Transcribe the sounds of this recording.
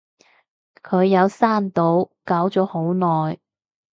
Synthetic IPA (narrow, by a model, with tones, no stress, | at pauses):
kʰɵ˨˧ɥjɐ˨˧wsaː˥˩nt̪o˨˥wkaː˨˥wt͡ʃɔː˨˥ho˨˥wnɔː˨˩j